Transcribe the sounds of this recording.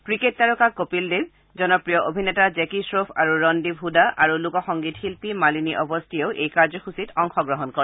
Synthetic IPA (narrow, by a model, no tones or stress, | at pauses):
kɹiketːaɹukakopildeb | zɔnɔpɹijɔʔobʱinɛtazekisɹopʰaɹuɹɔndibʱudaʔaɹulukɔxɔŋɡitxilpimaliniʔɔbɔstʰieʊʔejkaɹzɔxusitʰɔŋxɔɡɹɔɦɔnkɔɹɛ